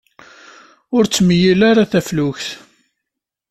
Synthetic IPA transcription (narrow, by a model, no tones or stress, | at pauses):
ʊɾt͡sːməjilaɾaθæflʊçθ